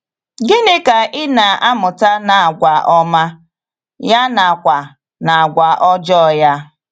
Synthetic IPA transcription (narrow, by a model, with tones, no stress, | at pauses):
ɡɪ˦nɪ˦ka˨ʔɪ˦na˨ʔa˦mʊ˨ta˦na˨a˨ɡʷa˨ʔɔ˦ma˦ | ja˦na˨kʷa˨ | na˨a˨ɡʷa˨ʔɔ˦d͡ʒɔ˦˨ja˦